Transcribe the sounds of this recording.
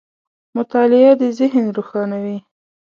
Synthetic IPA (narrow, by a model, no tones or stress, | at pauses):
mʊt̪ɑlɪad̪əzɪɦnɾuxɑnawi